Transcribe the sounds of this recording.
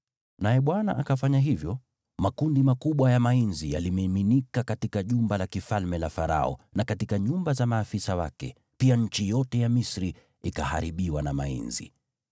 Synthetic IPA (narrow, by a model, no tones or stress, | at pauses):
najɛɓwana̰ʔakafaɲaɦivjɔ | makundimakuɓwajamainzijalimːminikakatikaʄumbalakifalmɛlafaɾa̰ɔ̰nakatikaɲumbazamaːfisawa̰kɛ̰ | piaɲ̩t͡ʃijɔtɛjamisɾi | ikaha̰ɾiɓiwanama̰ḭnzḭ